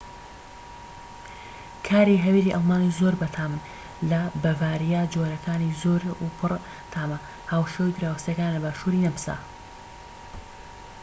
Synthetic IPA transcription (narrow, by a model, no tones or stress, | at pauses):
kʰaːɾiɦɐwiɾiːʔalˠmaːnizoːɾbɐt̪ʰaːmɨn | lɐbɐvaːɾijaːd͡ʒoːɾɐkʰaːnizoːɾupʰɨr | t̪ʰaːmɐ | haːwʃewid̪ɾaːwst̪jɐkaːnlɐbaːʃuːɾinɐmɨsa̰